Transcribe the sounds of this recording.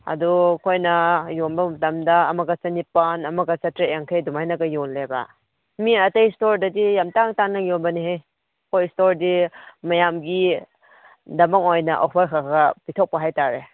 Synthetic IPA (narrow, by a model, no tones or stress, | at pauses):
ɐ̰dukʰojnɐjonbɐmɐtɐmdɐːmɐɡɐt͡ʃɐnipanɐmɐɡɐt͡ʃɐtɾeaŋkʰejdumajnɐɡɐjonlebɐ̰ | miɐtejstoɾdɐdijamtaŋtaŋnajonbɐnihaj | kʰojstoɾdimɐjamɡi | dɐmaŋojnɐʔa̰pʰaɾkʰaɡɐpitʰok̚pɐɦajtaɾe